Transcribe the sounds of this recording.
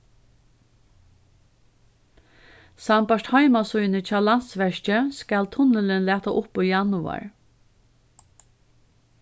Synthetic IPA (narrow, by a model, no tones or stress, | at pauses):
sampaʂthaɪmasɔʏnət͡ʃʰaːlan̥t̪sʋɛʃt͡ʃəskælt̪ʰʊnəlɪnlæːt̪aʔʊpʊjanʊa̰ɹ